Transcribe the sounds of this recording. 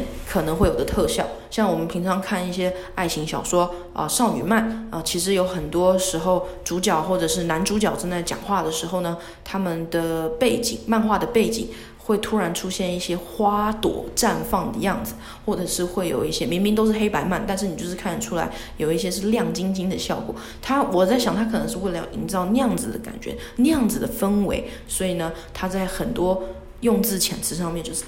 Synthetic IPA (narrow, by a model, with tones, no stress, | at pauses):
nkʰɤ˨˩nɤ˧˥ŋxwe˥˩ɪjo˨˩d̪ə˦t̪ʰɤ˥˧ɕjɑ˥˩ʊɕjɑ˥˩ŋwɔ˨˩mə˦npʰi˧˥ŋʈ͡ʂʰɑ˧˥ŋkʰa˥˧ni˥˩ɕjɛ˥ | a˥˩ɪɕi˧˥ŋɕjɑ˨˩ʊʂwɔ˥ | ə̰˧ʂɑ˥˩ʊny̰˨˩ma˥˩nə˧t͡ɕʰi˧˥ʂɻ̩˧˥jo˧˥ʊxə˨˩nt̪wɔ˥ʂɻ̩˧˥xo˥˧ʊʈ͡ʂu˧˥t͡ɕjɑ˨˩ʊxwɔ˥˩ʈ͡ʂɤ˨˩ʂɻ̩˥˩na˧˥nʈ͡ʂu˧˥t͡ɕjɑ˨ʊʈ͡ʂə˥nt͡sa˥˩ɪt͡ɕjɑ̰˨˩ŋxwa˥˩d̪ə˩ʂɻ̩˧˥xo˥˩ʊnə˩ | t̪ʰa˥mə˨nd̪ə˨˩pe˥˩ɪt͡ɕḭ˨˩ŋma˥˧nxwa˥˩d̪ə˩pe˥˩ɪt͡ɕḭ˨˩˦ŋ | xwe˥˩ɪt̪ʰu˥ɻa˧˥nʈ͡ʂʰu˥ɕjɛ˥˧ni˥˩ɕjɛ˥xwa˥t̪wɔ̰˨˩ʈ͡ʂa˥˧nfɑ˥˩ŋd̪ə̰˩jɑ˥˩ŋd͡zɹ̩˨˩ | xwɔ˥˩ʈ͡ʂɤ˨˩ʂɻ̩˥˧xwe˥˩ɪjo̰˨˩ʊi˥˩ɕjɛ˥mi˧˥ŋmi˥ŋt̪o˥ʊʂ̬ɻ̩˥˩xe˥ɪpa˧˥ɪma˥˩nt̪a˥˧nʂ̬ɻ̩˥˩n˨˩t͡ɕo˥˧ʊʂ̩˥˧kʰa˥˩nə˨˩ʈ͡ʂʰu˥la̰˧˥ɪ | jo˨˩ʊi˥ɕ̬jɛ˥ʂ̬ɻ̩˥˧ljɑ˥˩ŋt͡ɕi˥ŋt͡ɕi˥ŋd̪ə˨ɕjɑ˥˩ʊkwɔ̰˨˩˦ | t̪ʰa˥wɔ˨˩t͡sa˥˩ɕjɑ˨˩ŋt̪ʰa˥kʰɤ˨˩nɤ˧˥ŋʂɻ̩˥˧we˥˩ɪəjɑ̰˥˧˩ʔḭ˧˥ŋʈ͡ʂɑ˥˧ʊnjɑ˥˩ŋd͡zɹ̩˨˩d̪ə̰˦ka̰˨˩nt͡ɕɥɛ̰˧˥ | njɑ˥˩ŋd͡zɹ̩˨˩d̪ə˨fə˥nwḛ˧˥ɪ | swɔ˧˥i˨˩nə˩t̪ʰa˥t͡sa˥˩ɪxə˨˩nt̪wɔ˥ | jʊ˥˧ŋt͡sɹ̩˥˩t͡ɕʰjɛ˨˩nt͡sʰɹ̩˧˥ʂ̬ɑ˥˧ŋmjɛ˥˧nt͡ɕjo˥˧ʊʂɻ̩˥˩